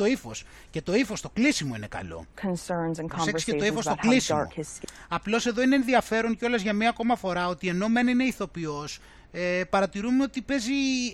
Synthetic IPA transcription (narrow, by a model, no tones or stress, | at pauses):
to̞ifo̞̰s | ce̞t̪o̞ifo̞st̪o̞klisimo̞ḭne̞kɐ̰lo̞̰kʰə̃nsɜ̃˞nz̃nkʰseksi̥etoifost̪oklissimosɐplo̞se̞ðo̞ineeːnðiɐfe̞ɾo̞ŋceo̞lɐzʝɐmɲɐko̞mɐfo̞ɾɐo̞t̪ie̞no̞me̞nine̞iθo̞pio̞s | epɐɾɐt̪iɾumeo̞t̪ipe̞zi